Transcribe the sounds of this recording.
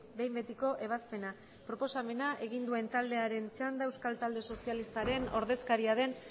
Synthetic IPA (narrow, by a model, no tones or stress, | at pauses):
be̞jmbe̞t̪iko̞ʔe̞β̞aspe̞na | pɾo̞po̞same̞naʔe̞ɣ̞ind̪ue̞nt̪ald̪e̞aɾe̞nt͡ʃand̪aewskalt̪ald̪e̞so̞sialist̪aɾe̞no̞̰ɾðe̞skaɾiaðe̞n